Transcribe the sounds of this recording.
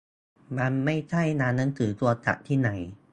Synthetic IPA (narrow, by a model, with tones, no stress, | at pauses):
ba˧nma˥˩jt͡ɕʰa˥˩jnaː˧nːa˧˦˥ŋt̪ʰɯː˩˦t̪u˧ɐt͡ɕa̰˨˩ʔ̚t̪ʰiː˥˩na˩˦j